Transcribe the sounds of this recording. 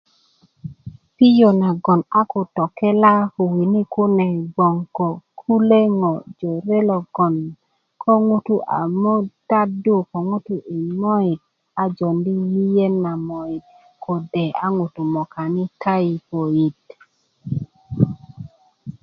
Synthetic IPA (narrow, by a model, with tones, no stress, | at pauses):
pi˦jo˨na˨ɡɔ˨na˦kʊ˨tɔ˨kɛ˦la˦u˨wi˨ni˦kʊ˦nɛ˨ɡ͡bɔ˨ŋkɔ˨kʰu˦le˦ŋɔ˨d͡ʒo˨ɾe˦lɔ˨ɡ̥ɔ˨n | kʰɔ˦ŋu˦tu˦ʔa̰˨mo˦ta˦du˦˨kɔ˨ŋu˦tu˦ʔi˨mɔ˦i˨t̚ | a˨d͡ʒɔ˨ndi˦ŋji˦je˦na˨mɔ˨i˨t | kʰo˨dɛ˨a˨˦ŋu˨tu˨mɔ˨ka˨nɪ˦kʰa˦i˨po˨i˨t